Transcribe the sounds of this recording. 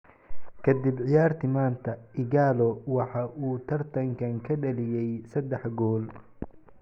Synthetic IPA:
kʰɐd̪ɪbʕɪjaːrt̪ʰɪmaːnt̪ʰɐɪɣaːlɔwɑħɑʔuːt̪ʰɐrt̪ʰɐŋkʰɐŋkʰɐɖɐlɪjɛjsɐd̪ɛħɡɔːl

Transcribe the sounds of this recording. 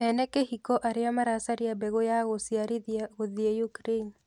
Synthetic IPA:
ɛnɛkehikɔʔaɾɪamaɾasaɾɪjabeɣojaɣosiaɾiɣoðiejukɾein

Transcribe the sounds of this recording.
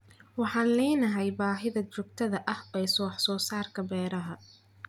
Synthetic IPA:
wɑħɑːnlɛːnɐɦɛjbaːɦɪðɐt͡ʃʊɡ̚t̪ʰɐðɐʔɐhɛjsɔːħsɔːsaːrkʰɐbɛːɾɐɦɐ

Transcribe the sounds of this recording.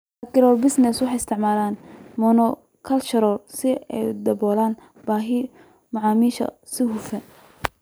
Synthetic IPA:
ɐkʰɪɾɔːbɪsnɛswɑħɑjɪst̪ʰɪʕmaːlaːnmɔnɔ | kʰɐlt͡ʃɐɾɔlsɪɛ̰jd̪ɐbɔːlaːn | b̥aːɦɪ | mɑʕɑːmiːʃɐ̰ | sɪhufɐn

